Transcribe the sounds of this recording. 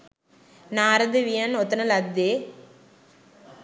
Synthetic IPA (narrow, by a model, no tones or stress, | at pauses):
naːɾɐd̪ɯʋijɐnɔt̪ːɐnɐlɐd̪ːe